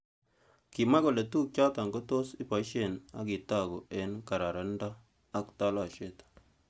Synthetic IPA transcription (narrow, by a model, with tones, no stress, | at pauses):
ki˨ma˦ko˨le˨tu˦k̚t͡ʃa˦ta˨ŋɡo˦to˦si˦pa˨˦ʃe˦˨na̰˨˦ki˨ta˦˨ko˨e˨˦nka˨ɾa˨ɾa˨ndaː˦ | kta˦la˨ʃe˦˨tḁ